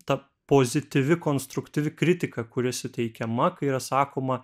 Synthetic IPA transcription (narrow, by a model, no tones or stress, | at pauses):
t̪ɐ | poːzʲɪt̪ʲɪʋʲɪkoːnst̪ɾʊkt̪ʲɪʋʲɪkɾʲɪt̪ʲɪkɐkʊɾʲɪsʲɪt̪ʲɛɪkʲɛmɐkɐɪiːɾɐsɑːkoːmɐ